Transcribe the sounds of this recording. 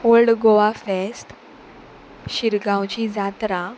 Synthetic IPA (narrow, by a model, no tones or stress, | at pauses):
olɖɡoʋafesʈ | ɕiɾɡãwt͡ɕid͡zat̪ɾã